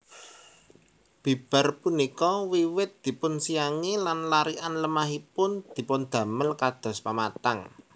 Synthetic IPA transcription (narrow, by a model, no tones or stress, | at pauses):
b̥i̤b̥a̤rpunikɔwiwɪt̪̚d̪̥i̤pʊnsijaŋilanlaɾiʔanləmaɦipʊnd̪̥i̤pʊnd̪̥ä̤məlkad̪̥ɔ̤spamat̪aŋ